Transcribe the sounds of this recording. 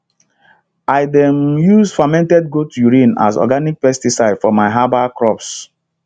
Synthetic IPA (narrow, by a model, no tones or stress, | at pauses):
aɪdɛ̃mjuz̥famɛ̃ntɛd̚ɡotjuɹĩna̰zɔ̰ɡanik̚pɛstisaɪd̥fɔmaɪɦabakɹɔps